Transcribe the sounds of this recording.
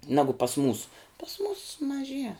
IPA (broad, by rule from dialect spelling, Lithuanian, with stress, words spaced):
ˈnɑːɡʊ pɐs muːs pɐs muːs mɐˈʒʲiɛ